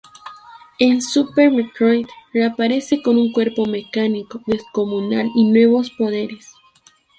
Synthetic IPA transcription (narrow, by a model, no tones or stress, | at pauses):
ensupeɾmet̪ɾojd̪rapaɾe̞se̞ko̞nuŋkwe̞ɾpo̞me̞kaniko̞ðe̞sko̞munalinwe̞β̞o̞spo̞ðe̞ɾes